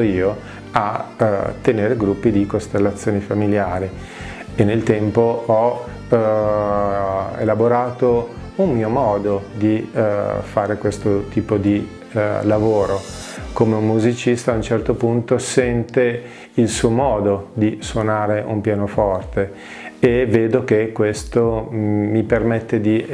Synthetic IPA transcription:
oiːo | at̪ːeneːɾeɡɾupːid̪ikost̪elːat̪sːjoːnifamiljaːɾi | enːelt̪ɛmpoɔ | ḛlaboɾaːt̪o | ummiːomɔːd̪od̪i | faːɾekwest̪ot̪iːpod̪i | lavoːɾokomeumːuzit͡ʃist̪aːunt͡ʃɛrt̪opunt̪osɛnt̪e | ilsuːomɔːd̪od̪iswonaːɾeʔumpjaːnofɔrt̪e | eveːd̪ok̟ekːwest̪omipermet̪ːed̪i

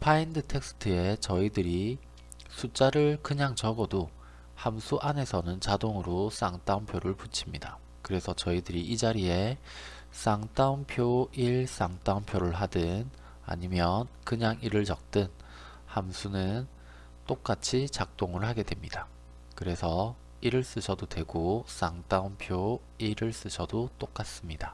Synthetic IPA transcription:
pʰaindɯtʰe̞k̚s͈ʰɯ̥tʰɯe̞t͡ɕʌidɯɾi | sʰut͡ɕ͈aɾɯɭkɯɲaŋt͡ɕʌɡʌdo | hamsʰuʔane̞sʰʌnɯnt͡ɕadoŋɯɾos͈aŋt͈aumpʰjoɾɯɭput͡ɕʰimɲida | kɯɾe̞sʰʌt͡ɕʌidɯɾiʔid͡ʑaɾie̞ | s͈aŋt͈aumpʰjoiɭs͈aŋt͈aumpʰjoɾɯɭɦadɯn | a̰ɲimjʌnkɯɲaŋiɾɯɭd͡ʑʌk̚t͈ɯn | hamsʰunɯn | t͈ok͈at͡ɕʰit͡ɕak̚t͈oŋɯɭhaɡe̞dwe̞mɲida | kɯɾe̞sʰʌ | iɾɯɭs͈ɯɕʰʌdodwe̞ɡos͈aŋt͈aumpʰjo | iɾɯɭs͈ɯɕʰʌdot͈ok͈as͈ɯmɲida

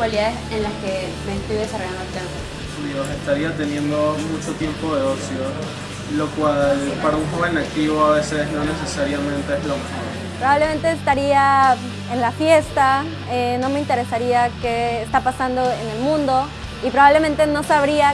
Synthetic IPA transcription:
kwaliðaðesenlaskemeːst̪ojðes̬aro̞ʝand̪oalkansa | iose̞st̪aɾiat̪e̞njẽ̞nd̪o̞mut͡ʃo̞t̪je̞mpo̞ðe̞osjo | lo̞kwalpaɾauŋxo̞βe̞nak̚t̪iβo̞aβe̞se̞sno̞ne̞se̞saɾjamẽ̞nt̪eezlouxoβenpɾoβaβle̞ment̪e̞ːst̪aɾia | enlafje̞st̪a | eno̞me̞int̪e̞ɾe̞saɾiake̞ːst̪apasand̪o̞ene̞lmũnd̪o̞ | ipɾo̞βaβle̞mẽ̞nt̪e̞no̞saβɾia

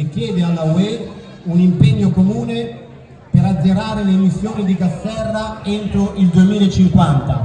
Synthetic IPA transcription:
kjɛːd̪ealːawe | unimpɛɲːokomuːne | peɾad̪zːeɾaːɾeleːmisːjoːnid̪ikasɛrːaent̪ɾoʔild̪uemiːlaet͡ʃːiŋkwant̪a

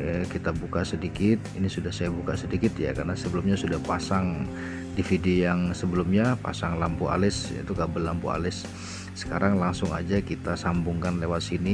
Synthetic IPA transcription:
əkit̪abukasədikɪt̪̚inisudahsajabukasədikɪt̪ja̰karnasəbəlʊmɲasudahpasaŋ | difidiojaŋsəbəlʊmɲapa̰saŋlampuʔa̰lɪsḭt̪ukabəlːampṵa̰lɪsː | ə̥kaɾaŋlaŋsʊŋa̰d͡ʒakit̪asambʊŋkanlewat̪̚sini

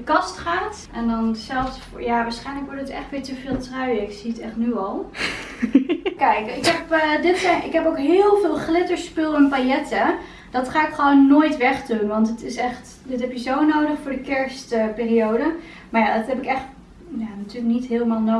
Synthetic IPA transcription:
əkɑstχaːt | ʔɛndɔnsɛlˠfsfjaʋaːɹsχɛjnləkʋʊɹtətɛ̰χtʋɪːɹtəvɪːlˠtrœɥəɪksiətɛχtnyɔlˠ | kɛjkɪkɦɛpdɪtsɛjʔɪ̰kɦɛpowkɦɪːlˠvɪːlˠχlɪtəɹspølˠənpajɛtə | dɔtχaːɪkχəʋownːoːjtʋɛχdunʋɑntətɪsɛχt | dɪtɦɛpjəzownowdəχfʊːɹdəkɛɹstəpɪːrijowdə | maɹjaːdɔtɦɛpɪkɛχt | janatyːləknitɦɪːlˠmaːlˠno

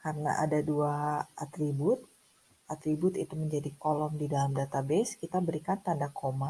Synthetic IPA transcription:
kaɾəna̰ʔa̰daduaat̪ɾibʊt̪̚ | ʔat̪ɾibʊt̪it̪uməɲd͡ʒadikolɔmdidalamdat̪abɛskit̪abəɾikant̪andakoma

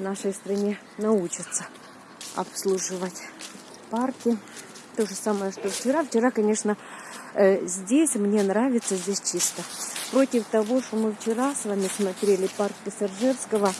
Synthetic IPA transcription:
naʂəjst̪ɾɐnʲe̞ | nɐut͡ɕɪt̪sə | ɐ̰pslˠuʐɨvətʲ | parkʲɪ | t̪o̞ʐɨsaməjəʂt̪oft͡ɕɪɾaft͡ɕɪɾakɐnʲe̞ʂnə | zʲdʲesʲmnʲe̞nɾavʲɪt̪səzʲdʲesʲt͡ɕist̪əpɾo̞tʲɪft̪ɐvo̞ʂt̪omɨft͡ɕɪɾasvamʲɪsmɐt̪ɾʲelʲɪpark̚pʲəsʲɐʐɨrskəvə

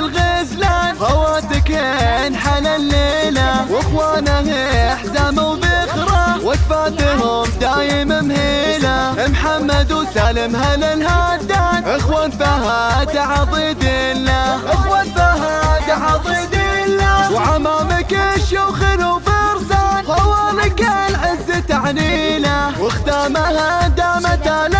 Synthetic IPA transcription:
lɣezlanhawaːt̪ɪkhenħalalːeːlawɪxwaːnaheaħzamawbɪxɾawad̪faːt̪ɦʊmd̪aːjɪmɪmheːlaɪmħamːad̪wsaːlɪmhalalɦaːd̪ːanʔɪxwaːnfahad̪aʕɑbˤiːd̪ilːaʔɪxwanfaɦad̪aʕɑbiːd̪ilːawʕamaːmɪkɪʃjawxɪlubɪɾzanqˤɑwaːlɪkalʕɪzːɪt̪aʕnilawɪxt̪aːmahad̪amat̪aːla

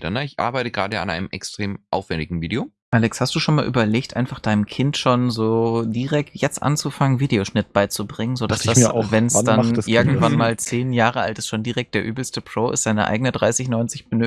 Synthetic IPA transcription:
danaɪçʔa̰ɐbaɪtəɡʁa̰ːdəa̰nʔa̰ɪnəmʔɛkstʁ̥eːmʔa̰ʊfv̥ɛndɪɡŋ̩viːdeo | ʔaːlɛkshastd̥uːʃoːnmaːlʔyːbɐleːktʔa̰ɪnfaχd̥aɪnəmkʰɪntʃoːnzoːdiːʁɛk̚tjɛt͡stʔa̰nt͡sufaŋənviːdeoʃnɪt̚b̥aɪt͡subʁɪŋənzodasd̥avɛnsd̥aʔɪɐɡŋ̩tv̥anmaːlt͡seːnjaːʁəʔa̰ltɪstʃoːndiːʁɛk̚td̥eːɐʔyːbl̩stəpʁ̥oːʔɪ̰stz̥aɪnəʔa̰ɪɡənədʁaɪsɪçnɔʏnt͡sɪçb̥ənø

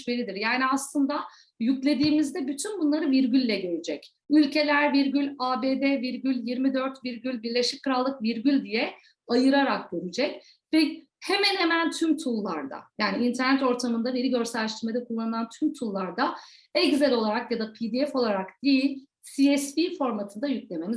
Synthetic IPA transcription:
beɾid̪iɾjaːniaslˠɯnd̪a | jyclʲe̞d̪iːmizd̪ɛbyt̪ʰynbunlˠaɾɯviɾɟylʲːɛɟøɾid͡ʒɛc | ylʲcʰe̞lʲæɾviɾɟylʲaːbeːd̪ɛviɾɟylʲjiɾmid̪ø̞ɾt̪viɾɟylʲbiɾlʲe̞ʃic̚kʰːɯɾalˠːɯkviɾɟylʲd̪ijɛ | ajɯɾaɾakɟøɾid͡ʒɛc̚ | vɛ | hemænhemænt̪ʰymt̪ʰulˠːa̰ɾd̪a̰jaːniint̪ʰæɾnɛt̪o̞ɾt̪ʰamɯnd̪aveɾiɟø̞ɾsɛlʲːɛʃt̪iɾmed̪ɛkʰulˠːanɯlˠant̪ʰymt̪ʰulˠːaɾd̪a | ɛɟzelʲo̞lˠaɾakjad̪apʰid̪iɛfo̞lˠaɾakd̪̥ijilʲ | siɛspifo̞ɾmat̪ʰɯnd̪ajyclʲe̞me̞miz

